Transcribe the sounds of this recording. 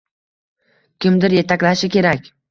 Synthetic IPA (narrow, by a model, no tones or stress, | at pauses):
kʲɪmd̪ɪɾje̞t̪ʰakʲlaʃɪkʲʰe̞ɾakʲ